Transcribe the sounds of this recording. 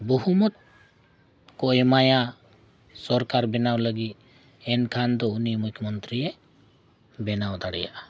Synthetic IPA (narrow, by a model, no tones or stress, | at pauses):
bɔɦumɔt̪̚ | kɔɛmaja | sɔɾkaɾbɛnawləɡit̪̚ | ɛnkʰand̪ɔunimukʰjɔmɔnt̪ɾiɛ | bɛnawd̪aɽɛ̰ja̰ʔa